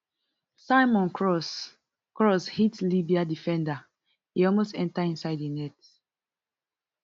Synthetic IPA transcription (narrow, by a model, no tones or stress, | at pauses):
saɪmɔ̃nkʰɹɔs | kɹɔshitlibiadifɛ̃nda | hiɔlˠmostɛ̃ntaĩnsaɪdinɛt